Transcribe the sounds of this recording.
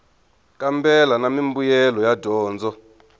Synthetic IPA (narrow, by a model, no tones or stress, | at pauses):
kʼambɛlanamimbujɛlɔjadʱɔːnd͡zʱɔ